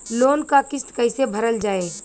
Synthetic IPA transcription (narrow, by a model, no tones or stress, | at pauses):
loːnkakɪst̪kəɪsebʱəɾəld͡ʒaːeː